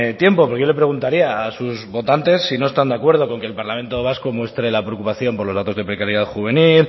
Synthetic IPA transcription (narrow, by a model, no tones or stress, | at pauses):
t̪je̞mpo̞poɾkejole̞pɾe̞ɣ̞unt̪aɾiaːsuzβo̞t̪ant̪e̞sːino̞est̪and̪eakwe̞ɾð̞o̞ko̞ŋke̞ːlpaɾlamẽ̞nt̪o̞βasko̞mwe̞st̪ɾe̞lapɾeokupaθjo̞mpoɾlo̞zðat̪o̞zðepɾe̞kaɾjeaðxuβ̞e̞nil